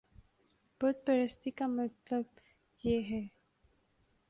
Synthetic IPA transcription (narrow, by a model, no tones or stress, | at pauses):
bət̪̚pəɾəst̪ikamɐt̪ləb̚ | jeɦɛː